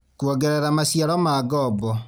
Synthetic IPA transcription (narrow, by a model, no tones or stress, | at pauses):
kuɔɡɛɾɛɾamasjaɾɔmaɡɔbɔ